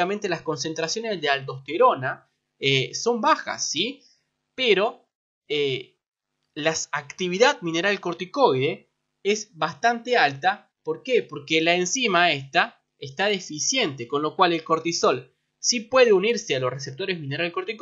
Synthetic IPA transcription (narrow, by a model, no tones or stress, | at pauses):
amẽnt̪e̞lasko̞ns̬e̞nt̪ɾasjo̞nezðealt̪o̞st̪eɾo̞na | eso̞mbaxa̰sːi | peɾo̞ | e | laakt̪iβ̞iðaðmĩne̞ɾalko̞ɾt̪iko̞jðe | ezβast̪ant̪ealt̪a | po̞ɾkepo̞ɾkelaensimaest̪a | est̪aðefisje̞nt̪eko̞nlo̞kwale̞lko̞ɾt̪iso̞l | sipwe̞ðeuniɾsealo̞sres̬e̞p̚t̪o̞ɾezmĩne̞ɾalkoɾt̪ik